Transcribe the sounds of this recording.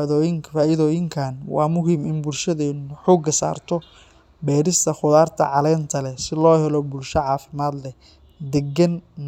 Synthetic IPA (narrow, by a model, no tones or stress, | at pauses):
ðɔːjɪŋʰfaːʔɪðɔːjɪŋkʰaːnwɑ̰ːmʊɦiːmɪnbʊlʃɐðɛnħuːɡɐsa̰ːrt̪ʰɔ | bɛːɾɪst̪ʰɐχʊðaːrt̪ʰɐ̰ʕɑlɛːnt̪ʰɐlɛsɪlɔːhɛlɔbʊlʃɐʕɑːfɪmaːd̪lɛ | d̪ɛɡɐn